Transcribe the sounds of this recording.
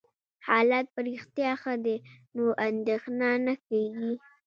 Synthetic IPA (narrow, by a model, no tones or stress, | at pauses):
hɑlɑt̪̚pəɾixt̪jɑxad̪enoʔand̪exnɑnakaɡi